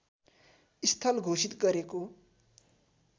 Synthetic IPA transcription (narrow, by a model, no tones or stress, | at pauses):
ist̪ʰʌlɡʱosit̪ɡʌɾeko